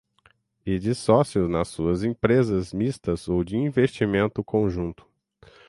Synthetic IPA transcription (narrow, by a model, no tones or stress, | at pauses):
ɪd͡ʒɪsɔsjʊznɐsːuɐzẽpɾezɐzmist̪ɐzowd͡ʒɪĩvest͡ʃimẽnt̪ʊkʰõʒũnt̪ʊ̥